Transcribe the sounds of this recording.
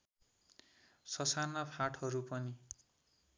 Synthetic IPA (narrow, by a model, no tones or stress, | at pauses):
sʌsarnapʰaʈʰhʌɾupʌni